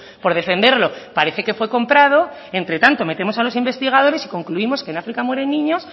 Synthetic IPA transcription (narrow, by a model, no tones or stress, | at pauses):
po̞ɾðe̞fe̞nd̪e̞ɾlo̞paɾe̞θe̞ke̞fwe̞ko̞mpɾað̞o̞ | e̞nt̪ɾe̞t̪ant̪o̞me̞t̪e̞mosalo̞simbe̞st̪iɣ̞að̞o̞ɾe̞si̥ko̞ŋkluimo̞skenafɾikamwe̞ɾe̞nːĩɲo̞s